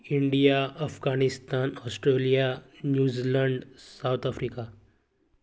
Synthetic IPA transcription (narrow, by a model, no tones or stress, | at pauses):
iɳɖijaəfɡanist̪anɔsʈɾelijanjuːziləɳɖsawt̪ʰafɾika